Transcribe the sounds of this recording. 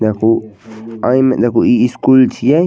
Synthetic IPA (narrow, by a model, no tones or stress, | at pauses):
d̪akuãjmẽʔd̪akuiiskult͡ʃija